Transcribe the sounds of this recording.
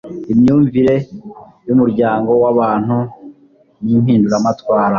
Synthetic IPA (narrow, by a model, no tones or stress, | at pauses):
imɲuːɱviɾe̞ | jumuɾɟaːŋɡo̞waβaːn̥hu | nimhiːnduɾamatwaːɾa